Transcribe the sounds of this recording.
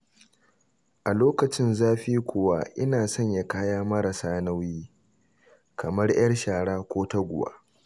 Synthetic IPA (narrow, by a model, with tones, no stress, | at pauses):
ʔa˨loː˦kɐ˨t͡ʃɪ˦nzaː˦ɸiː˦kʷʊ˨wa˦˨ʔɪ˦naː˨sɔ˦˨ɲja˦kaː˦jaː˦mɐ˦ɾɐ˨saː˦na˦wjiː˦ | kʰɐ˨mɐ˦rj̰ɐ˦rʃaː˨ɽaː˦kʷoː˦tɐ˦ɡʷʊ˨wa̰ː˦